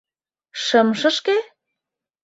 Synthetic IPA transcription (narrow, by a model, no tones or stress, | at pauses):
ʃə̆mʃə̆ʃke